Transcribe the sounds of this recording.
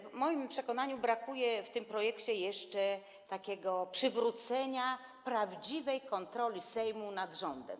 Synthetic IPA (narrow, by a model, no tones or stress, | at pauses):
vmɔjimpʂɛkɔnaɲubɾakujɛft̪ɘmpɾɔjɛkt͡ɕɛjɛʂt͡ʂɛ | t̪akʲɛɡɔpʂɘvɾut̪sɛɲa | pɾavd͡ʑivɛjkɔnt̪ɾɔlʲisɛjmunad̪ʐɔnd̪ɛ̰m